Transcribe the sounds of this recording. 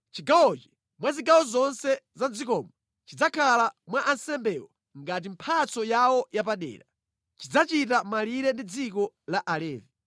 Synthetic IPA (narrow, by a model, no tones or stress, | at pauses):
t͡ʃiɡawɔt͡ʃi̥ | mwaziɡawɔzɔnsɛzand͡zikɔːmɔ | t͡ʃid͡zakʰalamwaʔansɛmbɛwɔ | ŋɡat̬im̩pʰat͡sɔjawɔjapaɗɛ̰ːɾa | t͡ʃid͡zat͡ʃitamaliɾɛndid͡zik̬ɔ | laʔalɛːvi